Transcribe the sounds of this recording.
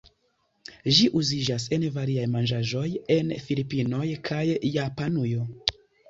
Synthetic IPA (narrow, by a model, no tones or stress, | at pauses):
ʒiʔuzid͡ʒas̬e̞nvaɾiajmand͡ʒaʒo̞je̞nfilipino̞jkʰajːapanujo̞